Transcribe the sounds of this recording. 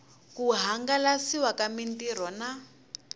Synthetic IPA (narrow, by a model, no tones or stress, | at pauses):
kuɦaŋɡalasiwakamintiɾ̤ɔna